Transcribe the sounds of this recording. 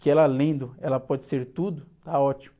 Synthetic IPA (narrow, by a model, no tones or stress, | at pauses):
kɪɛlɐlẽnd̪ʊɛlɐpɔd͡ʒɪseɾt̪ud̪ʊt̪aɔt͡ʃimʊ